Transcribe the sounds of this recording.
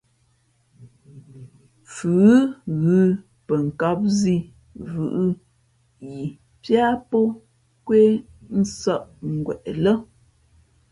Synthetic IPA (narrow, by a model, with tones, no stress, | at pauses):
fʉ˨˦ɣʉ˦ | pə˨ŋ̩˨ka˦p̚zi˦˨ | vʉ̰˨ʔɨ˦ | ji˨ | pja˦pɔ˦ | kwe˦n̩˦sə˦˨ʔŋ̩˨ɡwɛ̰˨ʔlə˦